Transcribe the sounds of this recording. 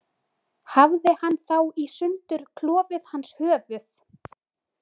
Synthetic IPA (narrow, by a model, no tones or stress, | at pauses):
havðɪhanːθawisʏnt̪ʏɾ̥kʰlɔːvɪðhanːshœːvʏθ